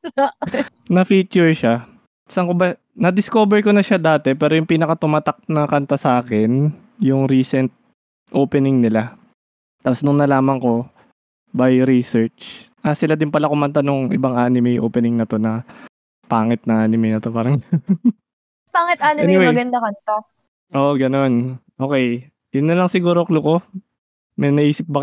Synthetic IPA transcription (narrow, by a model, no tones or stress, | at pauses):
nɐfiːt͡ʃʊɹʃa | sɐŋkʊbɐ | nɐd̪ɪskoːbɛɹkonɐʃad̪aːt̪ɛpɛːɾojʊŋpiːnɐkɐt̪ʊmat̪ak̚nɐkɐnt̪ɐsɐaːkɛn | jʊŋɾiːsɛnt̪̚ | ʔoːpɛnɪŋnɪla | t̪aːposnʊŋnɐlaːmɐŋko̞ | bajɾisɛɹt͡ʃ | ʔɐsɪlad̪ɪnpɐlakʊmɐnt̪anʊŋʔɪ̰baŋaːnɪmɛjʔo̰ːpɛnɪŋnɐt̪o̞nɐ | paːŋɪt̪̚nɐʔaːnɪmɛjnɐt̪opaːɾɐŋ | paːŋɪt̪̚ʔaːnɪɛnɪwemɐɡɐnd̪akɐnt̪a | ʔoʔɡɐno̞nʔo̞ːkɛj | jʊnːɐlɐŋsɪɡuːɾoʔɐkloko̞ | mɛjmɐʔiːsɪp̚bɐ